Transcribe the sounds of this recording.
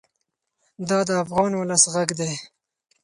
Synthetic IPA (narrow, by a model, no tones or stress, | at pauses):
d̪ɑd̪əafɣɑnwʊləsɣaɡd̪e